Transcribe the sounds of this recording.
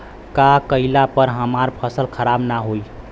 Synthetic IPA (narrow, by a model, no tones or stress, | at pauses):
kakəilapəɾɦəmaɾpʰəsəlkʰəɾabnaɦoi